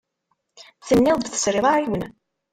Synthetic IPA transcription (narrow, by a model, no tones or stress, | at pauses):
θənːɪðˤd̪θə̥sɾɪðˤaɾiwən